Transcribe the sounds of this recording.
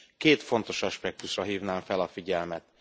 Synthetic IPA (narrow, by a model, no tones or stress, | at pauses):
keːt̪fo̞n̪t̪o̞ʃɒʃpɛk̚t̪uʃrɒɦiːvnaːɱfɛlɒfiɟɛlmɛt̪